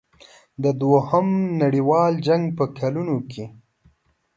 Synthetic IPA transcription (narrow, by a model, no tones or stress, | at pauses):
d̪əd̪wohəmnaɽiwɑld͡ʒaŋɡpəkʰalunokʰe